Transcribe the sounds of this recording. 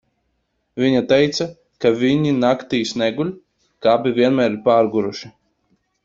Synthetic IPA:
vʲiɲat̪ɛjt̪sa | kavʲiɲinakt̪iːsnɛɡulʲ | kaːbʲivʲiɛnmæːɾiɾpaːɾɡuɾuʃi

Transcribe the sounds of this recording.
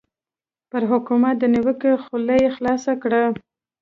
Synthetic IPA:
pəɾɦʊkumat̪̚d̪əniwəkexuləjexlɑsakɽa

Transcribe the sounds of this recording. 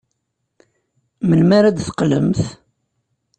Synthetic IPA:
mənmaɾæd̪θqlə̰mθ

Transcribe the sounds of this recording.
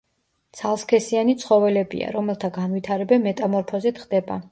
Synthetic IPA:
t̪sʰalˠskʰɛsianit̪sʰχɔvɛlɛbḭa̰ɾɔmɛlˠt̪ʰaɡanvit̪ʰaɾɛbɛmːɛt̪ʼamɔɾpʰɔzɛt̪χd̪ɛba̰

